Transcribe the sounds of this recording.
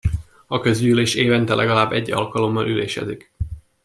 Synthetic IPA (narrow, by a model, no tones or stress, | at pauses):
ɒkø̞zɟyyleːʃeːvɛnt̪ɛlʔɛɡɒlaːbːɛɟːɒ̰lkɒlo̞mːɒnʔylḛːʃɛ̰d̪ik